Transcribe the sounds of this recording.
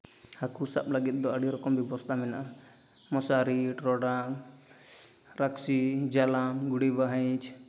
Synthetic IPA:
hakusa̰p̚laɡit̪̚ˀd̪ɔaɽiɾɔkɔmbɛbɔst̪ʰamɛnaʔa | mɔsaɾiʈɾɔɽa | ɾaksid͡ʒalamɡuɽibaɦajt͡ʃʰ

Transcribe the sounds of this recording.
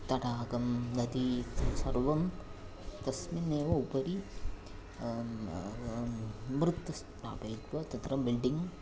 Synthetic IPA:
t̪ɐʈaːɡɐmnɐd̪isɐɾʋɐm | t̪ɐsmineːʋɐupɐɾi | mɾɨt̪ːɐs | ɾa̰ːbɐːt̪ʋɐt̪ɐt̪ɾɐmbilɖiŋ

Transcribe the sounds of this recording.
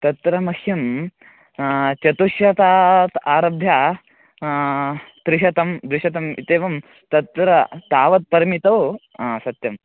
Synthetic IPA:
t̪ɐt̪ɾɐmɐkʰjɐm | t͡ʃɐt̪uʃjɐt̪aːt̪aːɾɐbʱjaː | d̪̥ɾɪʃɐt̪ɐmd̪ɾɪʂɐt̪ɐmḭt̪eːʋɐm | t̪ɐt̪ɾɐt̪aːʋɐt̪̚pɐɾɐmit̪ɐw | sɐt̪jɐm

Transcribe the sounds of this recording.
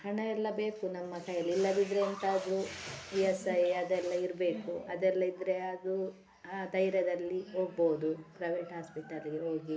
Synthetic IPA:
hɐɳɐɛlːɐbe̞ːkunɐmːɐkɐjɐlilːɐʋ̪id̪ɾeːnt̪ɐːd̪ɾuijɐsɐjɐd̪ɛlːɐiɾbe̞ːkuɐd̪ɛlːɐid̪ɾe̞ɐd̪u | aːd̪ɐjɾjɐd̪ɐlːiɦoːɡ̚boːud̪upɾɐjʋeːʈɦaːspiʈɐliɡeɦo̞ːɡi

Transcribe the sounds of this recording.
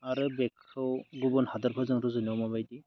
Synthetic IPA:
aɾɯbekʰːɯwɡubɔnhadaɾpʰazaŋɾɯzɯniamabajdi

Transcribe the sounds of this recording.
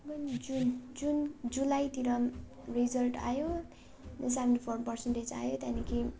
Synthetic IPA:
bʌnd͡zund͡zund͡zulajt̪iɾʌ | rid͡zʌlʈa̰jo | s̬ebẽnʈipʰorʈpʌrsenʈet͡sa̰jot̪anikʰi

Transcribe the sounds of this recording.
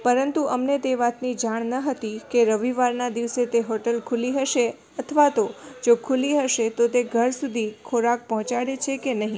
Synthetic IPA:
pəɾənt̪uʔəmnet̪eʋat̪nid͡ʒaɳ̃nəɦət̪ikeɾəʋiʋaɾnad̪iʋset̪eɦɔʈəlkʰuliɦəʃe | ət̪ʰʋat̪od͡ʒokʰuliɦəʃet̪ot̪eɡʱəɾsud̪ʱikʰoɾak̚pəɦɔ̃t͡ʃaɽet͡ʃʰekenəɦĩ

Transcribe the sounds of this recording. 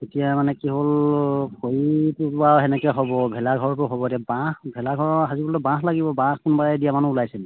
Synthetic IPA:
etijamanɛkiɦolkʰoɹitubawɦɛnɛkɛɦɔbɔbʱɛlaɡʱɔɹtʊɦɔbɔdiabãhbʱɛlaɡʱɔɹɦazibɔltʊbãɦlaɡibɔbãxkunbaɹɛdijamanuulajsɛnɛ

